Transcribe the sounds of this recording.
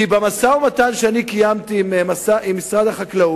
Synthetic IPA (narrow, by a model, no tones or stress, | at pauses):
ibamasaumat̪anʃeanikijamt̪iːmmasaʔimːisʁad̪aχaklau